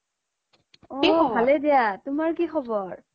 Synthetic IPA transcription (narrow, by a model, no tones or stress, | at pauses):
ɔiɔbʱalɛdijatʊmaɹkixɔbɔɹ